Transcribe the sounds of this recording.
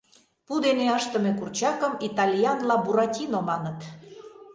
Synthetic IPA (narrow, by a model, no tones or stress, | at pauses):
pud̪eneɑʃt̪ə̆mekurt͡ɕɑkəmit̪ɑlʲijɑnlɑbuɾɑtʲinomɑnət̪